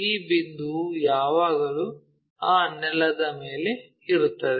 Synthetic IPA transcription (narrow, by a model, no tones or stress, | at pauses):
iːbind̪ujaːʋaːɡɐlu | aːnɛlːɐd̪ɐme̞ːle̞ | iɾut̪ːɐd̪e